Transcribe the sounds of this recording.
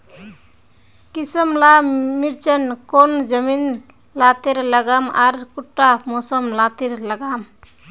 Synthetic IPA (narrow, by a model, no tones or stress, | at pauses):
kisəmlamiɾt͡ʃənkond͡ʒəmin | lat̪iɾləɡamaɾkuʈːamosəmlat̪iɾləɡam